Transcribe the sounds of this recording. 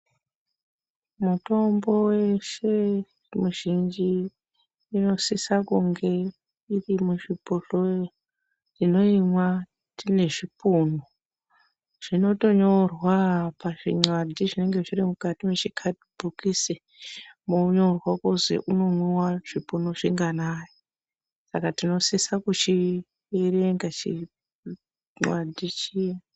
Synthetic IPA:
muto̞mbo̞weʃe | muʒind͡ʒiː | no̞sisakuŋɡe̞ | irimuʐipuɬoj | rino̞imwa | tine̞ʐipuno | ʐ̥ino̞to̞ɲo̞rwapaʐiŋ͡ǀwadʱiʐine̞ŋɡe̞ʐiɾimukatimet͡ʃikʰadbʱukise | moɲo̞rwakozḛʔuno̞mwuwaʐ̥ipunoʐiŋɡanaːjo | sakatino̞sisakut͡ʃi | ereŋɡat͡ʃi | ŋ͡ǀwadʱit͡ʃija

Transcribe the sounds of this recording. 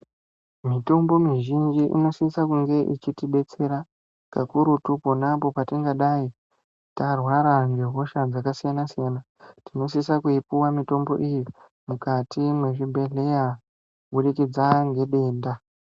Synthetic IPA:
mito̞mbo̞miʒind͡ʒiʔḭno̞sisakuŋɡe̞ʔit͡ʃitiɓe̞t͡se̞ɾa | kakuɾutuponapo̞patiŋɡaɗai | tarwaɾaŋɡeɦo̞ʃad͡zakasijanasijana | tino̞sisakuipuwamito̞mbo̞̰ʔiji | mukatʰimwe̞ʐibʱe̞ɮeja | ɓuɗikid͡zaŋɡe̞ɗe̞ːnda

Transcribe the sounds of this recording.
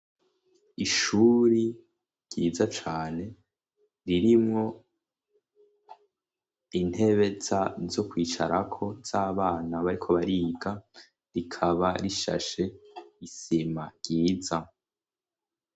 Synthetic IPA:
iʃuɾi | ɾɟ̥iːzat͡ʃaːne̞ | ɾiɾimŋo̞ | in̥he̞βe̞zazo̞kwiːt͡ʃaɾakʰo̞z̥aːβaːnaβaɾikʰo̞βaɾiːɡa | ɾikʰaβaɾiʃa̰ʃe̞isimaɡɟ̥iːza

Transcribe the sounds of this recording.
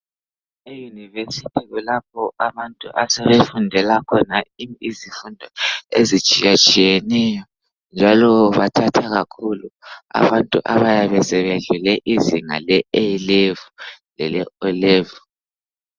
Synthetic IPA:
ejunivesitʰiɣulap̚ʰɔʔaβantʼuʔasɛβefundʱɛlakʰɔnaiizifundʱɔḛzit͡ʃʼijat͡ʃʼijɛnɛjɔ | nd͡ʒʱalɔβatʰatʰaɣakʰulua̰βantʼuʔa̰βajaβɛsɛβeɮulɛʔiziŋa̰lɛelevulɛlɛɔlɛvɔ

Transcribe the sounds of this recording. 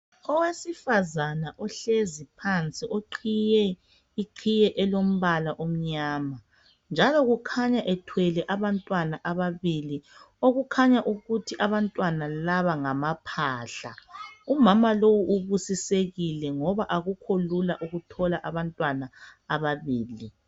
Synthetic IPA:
ɔwesifazanaʔɔɬezipʰant͡sʼiʔoǃʰijɛ | iǃʰijɛʔɛlom̩βalaʔom̩ɲaːma | nd͡ʒʱalɔɣukʰaɲaʔɛtʰwɛlɛʔaβantʼwanaʔaβaβili | oɣukʰaɲaʔuɣutʰiʔaβantʼwanalaβaŋamapʰaːɬa̰umamalowuʔuβusiseɣilɛŋɔβaʔaɣukʰolulaʔuɣutʰɔlaʔaβantʼwanaaβaβiːli

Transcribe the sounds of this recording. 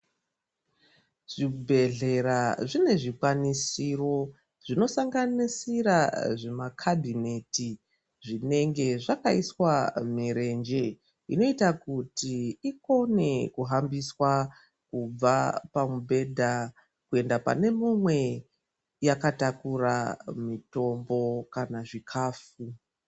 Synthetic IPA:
ʐ̥ibʱe̞ɮe̞ɾaʐine̞ʐikwanisiro̞ | ʐino̞saŋɡanisiɾaʐe̞makʰabʱine̞ti | ʐine̞ŋɡe̞ʐakaiswamiɾe̞nd͡ʒe̞ | ḭno̞itakutiiko̞ne̞kuɦambiswa | kub͡vapamubʱe̞dʱa | kue̞ndapa̰ne̞mumwe̞ | jakatakura̰mito̞mbo̞kanaʐikʰaːfu

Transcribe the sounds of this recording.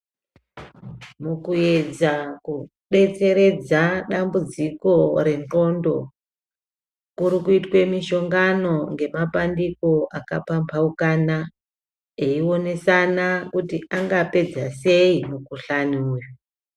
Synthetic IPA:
mukue̞d͡zaku | ɗe̞t͡se̞ɾe̞d͡zaɗambud͡ziko̞ɾe̞no̞ndo̞ | kuɾikuitwe̞miʃo̞ŋɡano̞ŋɡe̞mapandiko̞ʔakapampʰaukana | e̞io̞ne̞sanakutiʔaŋɡape̞d͡zase̞imukuɬanuːjo

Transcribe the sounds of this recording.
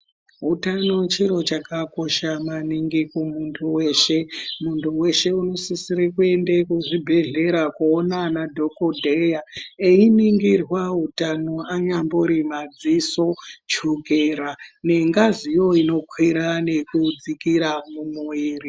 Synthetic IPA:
ɦutanot͡ʃiɾo̞t͡ʃakako̞ʃamaniŋɡikumuntʰuwe̞ːʃe̞muntuwe̞ʃe̞uno̞sisiɾekue̞ndekuʐibʱe̞ɮe̞ɾakoːnanadʱo̞kodʱejaeiniŋɡirwaɦutanoaɲamboɾimad͡ziso̞t͡ʃokeɾane̞ŋɡazijo̞ino̞kʰwiɾane̞kud͡zikiɾamumuiːri

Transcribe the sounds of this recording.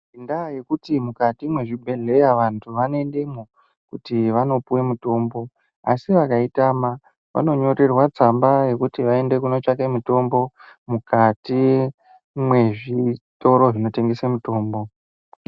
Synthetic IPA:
indajekutimukatimwe̞ʐibʱe̞ɮe̞jaʋantʰuʋanoe̞ndemo | kutiʋano̞puwe̞muto̞ːmbo̞ | a̰siʋakaitama | ʋa̰no̞ɲo̞re̞rwat͡sambaje̞kutiʋae̞nde̞kuno̞t͡ʃakemuto̞mbo̞mukʰati | mwe̞ʐito̞ɾo̞ʐino̞te̞ŋɡesemuto̞ːmbo̞

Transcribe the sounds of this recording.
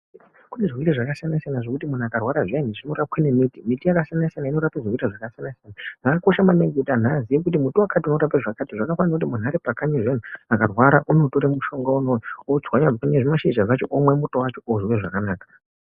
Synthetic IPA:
kuneʐwiɾeʐakasianasijanaʐo̞kutimun̤akarwaɾaʐianiʐino̞ɾap̚kwanemitimitijakasijanasijanaino̞ɾapeʐirwiɾaʐakasijanasijanaʐakako̞ʃamaneŋɡetan̤azijek̬utimutowakatiuno̞ɾapeʐakatiʐakafanirakut̬imun̤aɾepakaɲeʐen̤uakarwaɾaʔunotoɾemuʃo̞ŋɡaunood͡zwaɲakɲeʐimaʃid͡ʒazat͡ʃo̞ʔomwe̞mutowat͡ʃo̞oʐiweʐakanaːkḁ

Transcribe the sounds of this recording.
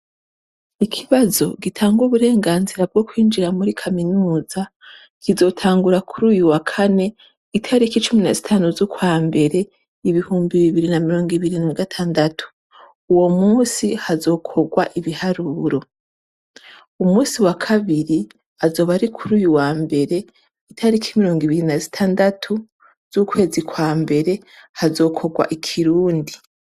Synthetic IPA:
ikʰiβazo̞ɡitʰaːŋɡuβuɾe̞ːŋɡaːnziɾab̚ɡo̞kwiːnd͡ʒiɾamuɾikʰaminuːza | kizo̞tʰaːŋɡuɾakʰuɾuːjuwakʰane̞ | itʰaɾikit͡ʃuminazitʰanuzokwaːmbe̞ɾe̞ | iβihuːmbiβiβiɾinamiɾo̞ːŋɡiβiɾinaɡatʰaːndatʰu̥ | uwo̞muːsihazo̞ːkʰo̞ɡwaʔiβihaɾuɾo̞ | umuːsiwakʰaβiɾi | azo̞ːβaɾikʰuɾuːjuwaːmbe̞ɾe̞ | itʰaɾikʰimiɾo̞ːŋɡiβiɾinazitʰaːndatʰu | z̥ukwe̞ːzikwaːmbe̞ɾe̞ | hazo̞ːkʰo̞ɡwa̰ʔikʰiɾuːndi

